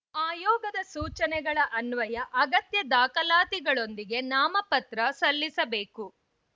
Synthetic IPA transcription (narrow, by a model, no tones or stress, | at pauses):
aːjɔːɡɐd̪ɐsuːt͡ʃɐnɛɡɐɭɐʔɐnʋɐjɐʔɐɡɐt̪jɐd̪aːkɐlaːt̪iɡɐɭo̞nd̪iɡe̞naːmɐpɐt̪ɾɐsɐlːisɐbe̞ːku